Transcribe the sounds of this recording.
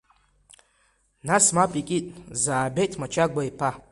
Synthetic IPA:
nasmapʼikʲʼitʼzaːbejtʰmat͡ʃʰaɡʷaipʰa

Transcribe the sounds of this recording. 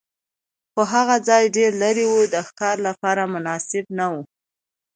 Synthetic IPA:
xoɦaɣad͡zɑjɖeɾlaɾiwud̪əxkɑɾlapɑɾamʊnɑsɪbnawu

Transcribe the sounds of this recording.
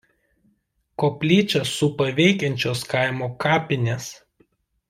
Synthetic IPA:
koːpʲlʲiːt͡ʃʲɛsʊpɐʋʲɛɪkʲɛnʲt͡ʃʲoːskɑˑɪmoːkɑːpʲɪnʲeːs

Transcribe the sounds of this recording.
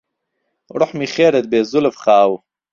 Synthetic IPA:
ɾʊħmiχeːɾed̪̚beːzʊlfχaːw

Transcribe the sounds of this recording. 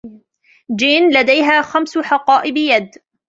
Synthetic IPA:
d͡ʒiːnlad̪ajɦaːxamsʊħɑqɑːʔɪbɪjad̪

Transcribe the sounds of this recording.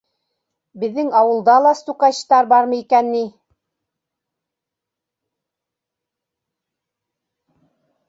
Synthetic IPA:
bɘ̆ðːɘŋɑwɤ̆lˠd̪ɑlˠɑst̪uqɑɕt̪ɑɾbɑɾmɤikænːi

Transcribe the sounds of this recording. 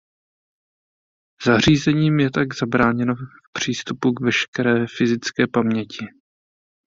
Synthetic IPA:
z̥ar̝iːzɛɲiːmjɛt̪aɡz̥abɾaːɲɛnofpr̝̥iːst̪upukvɛʃkɛɾɛːfɪzɪt͡skɛːpamɲɛcɪ

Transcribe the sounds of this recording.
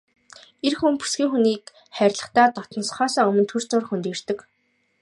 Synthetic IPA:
erxumpu̥sɡʲiːŋxuniːk | χæɾʲɮə̆χt̪æːt̪ɔt̪ɞ̆nsχɔːsɔːɵmɵ̆nt̪ʰɵr̥t͡sʊːr̆χxɵnt̪iːr̥t̪ɘ̆k

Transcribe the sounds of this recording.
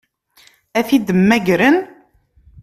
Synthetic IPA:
æθid̪əmːæɡɾən

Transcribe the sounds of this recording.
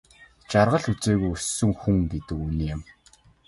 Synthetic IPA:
t͡ɕarʁə̆ɮut͡seːɣujusːɵ̆ŋxuŋɡet̪ɘ̆kuniːjʊm

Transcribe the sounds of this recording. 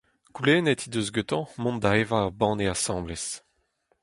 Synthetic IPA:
kuleːnet̪ʰid̪øzɡøt̪ɑ̃mɔ̃nd̪aevaʁbɑ̃ːneasɑ̃bles

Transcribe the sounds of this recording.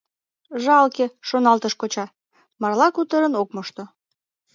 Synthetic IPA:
ʒɑlkeʃonɑlt̪əʃkot͡ɕɑ | mɑrlɑkut̪əɾənok̚moʃt̪o

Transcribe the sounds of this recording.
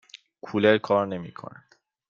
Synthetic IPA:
kʰuleɾkʰɒːɾne̞mḭːkʰo̰nænd̪̥

